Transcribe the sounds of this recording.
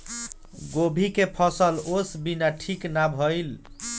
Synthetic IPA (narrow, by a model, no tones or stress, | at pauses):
ɡobʱikepʰʌsəlosbinaʈʰiknabʱəjl